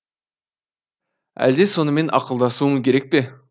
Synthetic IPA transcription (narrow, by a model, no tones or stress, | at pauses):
æ̰ld̪e̞so̞nəme̞nʔɑ̰qəlˠd̪ɑsuːəŋkʲʰe̞ɾek̚pe̞